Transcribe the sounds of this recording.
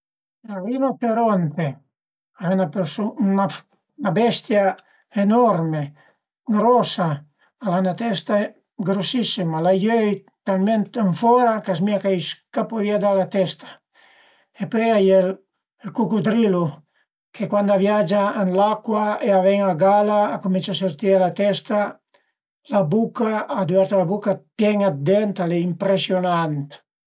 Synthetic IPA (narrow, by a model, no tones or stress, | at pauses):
arivasoɾɔnt̪e | alanapesuna | nabɛst̪ja | enɔɾme | ɡɾɔsaː | lanat̪ɛst̪a | ɡɾosisimalajøj | t̪alment̪əɱfɔɾakas̬miakajskapɔviad̪alat̪ɛst̪ḁ | epɔjajel | lkukud̪ɾilu | kʰekwand̪avjad͡ʒaənlakwaeavɛŋaɡalaːkuminsasoɾt̪ialat̪ɛst̪a | labukaːd̪uaɾt̪alabukapjɛŋad̪ɛnt̪aleimpɾesjonant̪